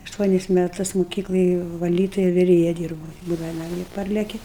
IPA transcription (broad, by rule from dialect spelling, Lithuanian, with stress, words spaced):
ɐʃˈtuɔnʲɪs mʲɛˈtʊs mʊˈkʲiːklˠoːj ʋɐˈlʲiːtʊjɛ ʋʲɪˈrʲeːjɛ ˈdʲiːrbuːʊ ˈbuːdɐʋɐ nɐˈmʲiɛ ˈpɐrʲlʲɛkʲɪ